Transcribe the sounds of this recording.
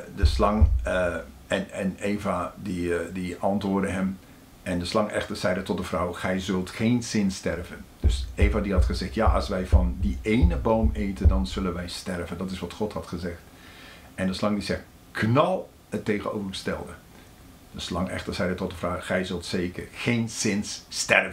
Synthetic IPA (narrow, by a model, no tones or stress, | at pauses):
dəslɑŋ | ɛnɛneːvadidiɑntʋʊːrdəɦəm | ʔɛndəslɑŋɛ̰xtərz̥ɛjdətɔt̚dəvrɔwxɛjzɵlˠtχeːnsɪnstɛrvənd̥ɵseːvadiɦɑtχəzɪχtjaʔɑ̰sʋɛjvɑndiʔejnəbowmeːtəndɑnzɵlənʋɛjstɛrvəndɑtɪsʋɑtχɔthɑtχəzɪxt | ɛndəslɑŋdizɛxt | kʰnɑlˠ | əteːɣənowvərrstɛ̰lˠdə | d̥əslɑŋɛ̰xtəɹz̥ɛjdətɔt̚dəvrawxɛjzɵlˠtseːkərxeːnsɪnsːtɛrvə